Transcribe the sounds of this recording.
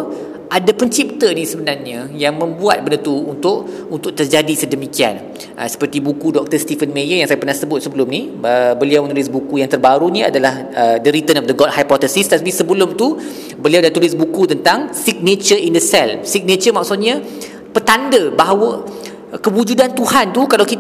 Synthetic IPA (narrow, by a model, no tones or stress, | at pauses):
ʔadapəɲt͡ʃip̚t̪ənisəbənarɲajaŋmə̃mbua̰t̪̚bəndət̪uːnt̪ʊʔ | unt̪ʊʔ̚t̪ərd͡ʒadisədəmikia̰n | ʔə̰sə̥pərt̪ibukudɔk̚t̪ərst̪ifənmejəjaŋsajapərnahsəbʊt̪̚səbəlʊmniəbəliawət̪ulɪs̬bukujaŋt̪ərbaɾunia̰dalah | ədəɾit̪ənɔfdəɡɔt̚hajpɔt̪əsist̪at̪̚pisəbəlʊmt̪u | bəliawdant̪ulɪsbukut̪ənt̪aŋsik̚net͡ʃərindəsɛlsik̚net͡ʃəmaksut̪̚ɲa | pət̪andəbaɦawə | kəwud͡ʒudant̪uhant̪ukalawkit̪